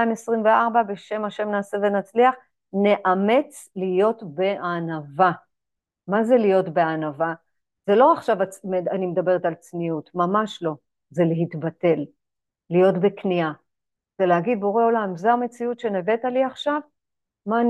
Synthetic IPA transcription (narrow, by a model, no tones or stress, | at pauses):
aimesʁimveaʁbabe̞ʃe̞maʃe̞mnaːse̞ve̞nat͡sliaχ | ne̞ʔame̞t͡s | lijo̞tbe̞anava | maze̞lijo̞tbe̞anava | ze̞lo̞aχʃavameanimed̪abe̞ʁetalt͡snijutmamaʃlo̞ | ze̞leɦitbate̞lː | ijo̞tbe̞knia | zeleɦaɡid̪̚bo̞ʁeo̞lamzeame̞t͡siutʃe̞neve̞taliaχʃav | maːn